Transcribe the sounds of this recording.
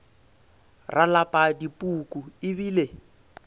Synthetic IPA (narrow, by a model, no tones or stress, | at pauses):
rʔalapʼadipʼukuɪbiːle